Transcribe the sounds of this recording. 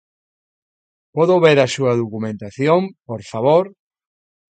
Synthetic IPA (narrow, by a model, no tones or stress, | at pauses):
poðoβeɾɐsuɐðokumẽnt̪aθjompoɾfaβoɾ